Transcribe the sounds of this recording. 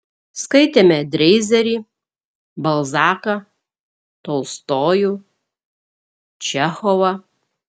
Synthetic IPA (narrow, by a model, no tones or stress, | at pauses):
skɐɪt̪ʲeːmʲɛd̪ʲɾʲɛɪzʲɛɾʲiː | bɐlˠzɑːkɐ | t̪ɔʊst̪oːju | t͡ʃʲɛxɔʋɐ